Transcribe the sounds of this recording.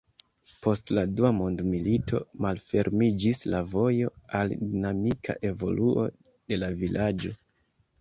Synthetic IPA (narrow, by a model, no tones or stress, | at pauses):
po̞stladuamo̞ndmilitʰo̞̰malfe̞ɾmid͡ʒislavo̞jo̞aldinamikʰa̰ʔe̞vo̞̰luʔo̞̰ | de̞lavilʔad͡ʒo̞